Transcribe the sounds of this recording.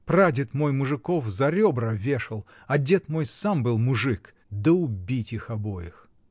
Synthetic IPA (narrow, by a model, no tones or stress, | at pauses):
pɾadʲɪt̪mo̞jmʊʐɨkofzɐɾʲobɾəvʲeʂɨlˠ | ɐdʲe̞t̪mo̞jsambɨlˠmʊʐɨk | d̪əʊbʲitʲixɐbojɪx